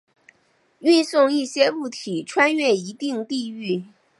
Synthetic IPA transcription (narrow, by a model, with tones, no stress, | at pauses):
y˥˧nsʊ˥˧ŋi˥˩ɕjɛ˥u˥˩t̪ʰi˨˩ʈ͡ʂʰwa˥nɥɛ˥˩i˧˥t̪i˥˧ŋt̪i˥˧y˥˩